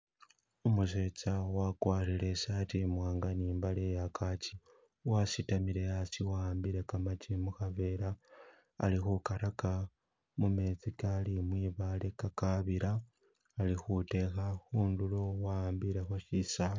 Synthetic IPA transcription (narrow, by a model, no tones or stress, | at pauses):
omuse̞t͡sawakwaːɾile̞saːtimwaːŋɡaniːmbalejakʰat͡ʃi̥ | wasitamiɾe̞jasiwaambiɾe̞kamat͡ʃimuxave̞ːɾa̰ː | lixukaɾaka | mume̞t͡sikalimwiːβale̞kakaβiɾaː | lixute̞xaxuːndulowaaːmbiɾe̞xo̞ʃisa